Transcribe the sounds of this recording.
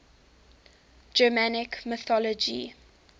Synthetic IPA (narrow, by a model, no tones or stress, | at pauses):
d͡ʒəmanɪkmɪθɔlɔd͡ʒḭ